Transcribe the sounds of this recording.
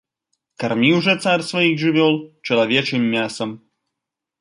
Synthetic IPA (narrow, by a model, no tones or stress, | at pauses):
kɐrmʲiwʐɛt̪sarʲsvɐjixʐɨvʲɔlˠt͡ʃɐlˠɐvʲɛt͡ʃɨmːʲasɐm